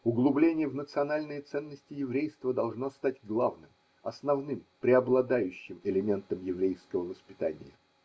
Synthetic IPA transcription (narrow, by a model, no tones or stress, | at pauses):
ʊɡlˠʊblʲenʲɪjəvnət̪sɨɐnalʲnɨjət̪sɛnːəsʲtʲɪjɪvɾʲejst̪vəd̪ɐlˠʐnost̪atʲɡlˠavnɨm | ɐsnɐvnɨmpɾʲɪɐblˠɐd̪ajʉɕːɪmɪlʲɪmʲe̞nt̪əmjɪvɾʲejskəvəvəspʲɪt̪anʲɪ̰jə̰